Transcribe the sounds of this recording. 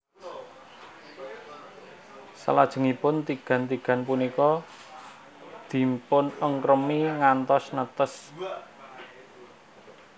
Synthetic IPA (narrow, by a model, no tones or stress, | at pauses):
sə̰lad̥ʒ̥ə̤ŋipʊnt̪iɡ̥ä̤nt̪iɡ̥a̤npunikɔ | d̪̥i̤mpʊnəŋkɾəmiŋant̪ɔsnət̪əs